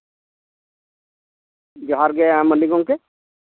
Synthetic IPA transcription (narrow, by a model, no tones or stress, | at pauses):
d͡ʒɔɦaɾɡɛaməliɡɔŋke